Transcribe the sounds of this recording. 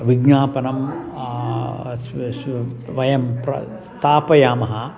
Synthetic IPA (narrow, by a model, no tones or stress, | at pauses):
ʋiɡɲaːpɐnɐm | s | ʋɐjɐmpɾɐ̰st̪aːpɐjaːmɐɦɐ